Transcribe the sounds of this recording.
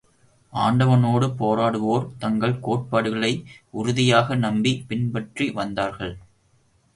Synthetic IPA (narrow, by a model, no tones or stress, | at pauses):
ʔaːɳɖɐʋɐnoːɽɯpoːɾaːɽɯʋoːɾt̪ɐŋɡɐɭkoːʈ̚paːɽɯɣɐɭɐɪʊɾʊðɪjaːɣɐnɐmbipɪnbɐʈriʋɐnd̪aːɾɣɐɭ